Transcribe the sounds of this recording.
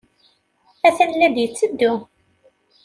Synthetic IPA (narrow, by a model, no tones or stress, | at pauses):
æθænlːæd̪jət͡sːəd̪ːʊ